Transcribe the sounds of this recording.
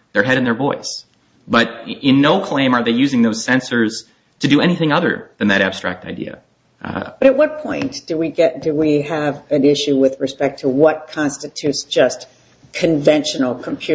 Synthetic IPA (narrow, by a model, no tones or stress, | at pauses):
ðə˞ɦɛɾɨ̃nðə˞vɔɪs | b̥ʌɾɪ̃nːoʊkʰl̥ẽɪ̃mə˞ðeɪjʉzɪ̃ŋðoʊz̥sɛ̃nsə˞z̥ | tʰɨdɨɛñiθɪ̃ŋʌðə̰˞ðɨ̃nðɨɾæb̥stɹ̥æ̰k̚taɪdḭɨ̰ | b̥ʌɾɨt̚wʌt̚pʰɔ̃ɪ̃nd̥ɨwiɡɛt̚d̥ɨwiɨvɨ̃nɪʃʉwɪðɹɨspɛk̚tʰəwʌt̚kʰɑ̃nstɨtʰʉtsd̥ʒ̥ʌs | kʰɨ̃ɱvɛ̃nʃɨn̩l̩ˠkʰə̃m̩pʰj̥ʉ